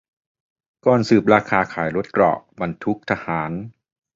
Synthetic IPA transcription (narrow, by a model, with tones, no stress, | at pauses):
kɔː˨˩nsɯː˨˩p̚ɾaː˧kʰaː˧kʰaː˩˦jɾo˦˥t̪̚kɾɔ̰˨˩ʔba˧nt̪ʰu˦˥k̚t̪ʰa˧haː˩˦n